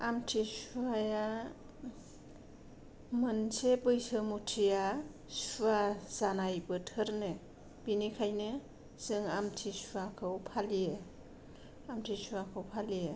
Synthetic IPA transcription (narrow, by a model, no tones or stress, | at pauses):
amtʰisuaja | mɯnsebɯjsɯmutʰija | suaz̥anajbɯtʰɯɾnɯ | b̥inikʰajnɯ | z̥ɯŋamtʰisuakʰɯwpʰalije | amtʰisuakʰɯwpʰalije